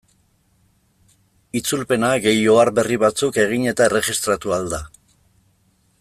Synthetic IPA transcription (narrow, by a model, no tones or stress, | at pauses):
it͡sulpe̞naɣe̞jo̞aɾbe̞riβat͡suke̞ɣ̞iɲe̞t̪aere̞ʝist̪ɾat̪uald̪a